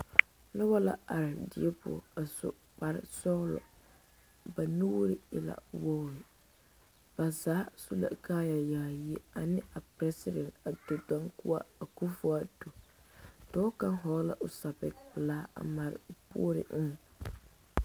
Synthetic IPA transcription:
nʊ˦bɔ˦la̰˨a˨ɾɪ˨dɪ˨ɛ˦pʊ̰˨a˨sʊ̰˦ | k͡pa˨ɾɪ˦sɔː˦lɔ̰˨ | ba˨nu˦ɾɪ˦ɪ˨la̰˨wɔ˦˨ɾɪ˨ | b̥a˨zaː˨˦su˦la̰˨kaː˦ja˨jaː˨ji˦a˨nɪ˦a˨pɾɛ˦sɪ˦dɛ˨nta˨do˨dã˦ŋkʊ˦a˦a˨ku˦fʊ˨˦a˨do˨ | tɔ˦ka˦ɦɔ˨˦la̰˨ʔʊ˨sa˨bɪ˨˦kbɪ˨laː˦a̰˨ma˨ɾɪ̰˨pṵ˦o˦ɾɪ̰˨ʔ̩˦ŋ˨

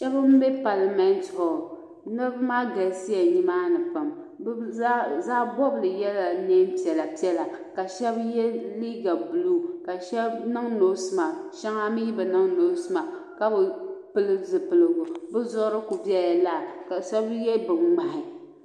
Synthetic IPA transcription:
ʃɛ˦bɨ˦m̩˦be˦pa˨la˨mɛ˦n˦tho˨ | nɨ˦ɾbɨ˦maː˦ɡa˨lsi˦a˨ɲi˦maː˦nɨ˨pa˨m | bzaː˦bɔ˦blɨ˨jɛ˦la˨ne˦m˦pi˨ɛ˨la˨pi˦ɛ˦la˨ka˨ʃɛ˦bjɛ˦li˦ɡa˨bu˨lu˦˨ka˨ʃɛ˦bnɨ˦ŋno˨˦sɨ˦ma˨ʃɛ˦ŋa˦mi˦ji˦bɨ˨nɨ˦ŋno˨˦sɨ˦ma˨ | ka˦bɨ˨pɨ˦lɨ˦zɨ˨pɨ˨lɨ˨ɡʊ˨bɨ˦zʊ˦ʔɾɨ˦ku˨bjɛ˦a˨la˦˨ka˨ʃɛ˦bjɛ˦bɨ˨mɡ͡ba˨hɪ˨

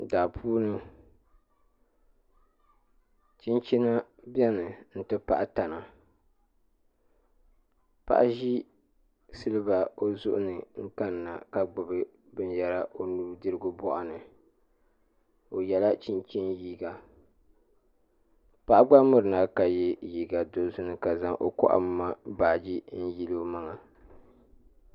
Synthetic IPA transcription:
daː˨pʰuː˦nɨ˦ | t͡ʃi˦nt͡ʃi˦na˦bɛ˦nɨ˨n̩˨tɨ˦pa˦ʔa˦ta˨na˨ | pa̰˦˨ʔa˦ʒi˦ | sɨ˦lɨ˦ba˨o˦zʊ˦ʔʊ˦nɨ˨ŋ̩˦ka˦nː˨a̰˨ka˨ɡ͡bʊ˨bɨ˦ | bɨ˦njɛ˨ɾa˦ʔo˦nuː˦dɨ˦ɾɨ˦ɡʊ˦bɔ˦ʔa˨nɨ˨ | o˨jɛ˨la˦t͡ʃi˦nt͡ʃi˦njiː˦ɡa˨ | pa˦ʔa˦ɡ͡ba˦mʊ˦ɾɨ˨na˨ka˨jɛ˦jiː˦ɡa˨do˨zʊ˦nɨ˨ka˨za˨ŋʔo˨kɔ̰˦ʔa̰˨m˦ma˦baː˨d͡ʒi˦n̩˦ji˦lo˦o˦ma˦ŋa˨

